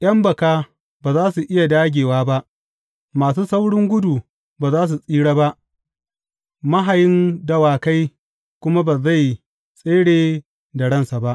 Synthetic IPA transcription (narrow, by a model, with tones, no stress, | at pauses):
j̰ʔɐ˦mbɐ˨kaː˦ | baː˨zaː˦su˨ʔɪ˦ja˨daː˦ɡʲeː˨waː˦ba˦ʔ | maː˨suː˦sa˦wɽɪ˦ŋɡʷʊ˦duː˨ | baː˨zaː˦s̬u˨sʼiː˦ɽaː˦ba˦ʔ | mɐ˦ɦa˨jɪ˦ndɐ˦waː˨ka˦j | kʷʊ˦ma˦ba˨za˦˨j | sʼeː˦ɽeː˨ | da˨ɽɐ˦nsa˨ba˦ʔ